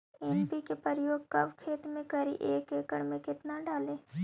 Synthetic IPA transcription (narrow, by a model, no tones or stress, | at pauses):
ɛmpikepəɾjoːɡ̚kɐʋkʰeːt̪mẽkəɾḭʔeːkeːkəɽmẽkɪt̪naɖaːlẽː